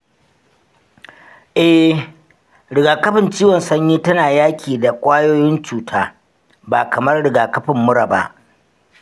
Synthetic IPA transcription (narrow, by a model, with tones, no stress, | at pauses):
ʔɛ˦ | ɾɪ˨ɡaː˨kɐ˦ɸɪ˨nt͡ʃiː˦wɔ˨nsɐ˦ɲjiː˦tɐ˦naː˨jaː˦kʲʰiː˨da˨kʷʼaː˦joː˦jɪ˦nt͡ʃuː˨tʰaː˦ | baː˨kɐ˨mɐ˦rɽɪ˨ɡaː˨kɐ˦ɸɪ˨mːʊ˦ɽa˨ba̰˦ʔ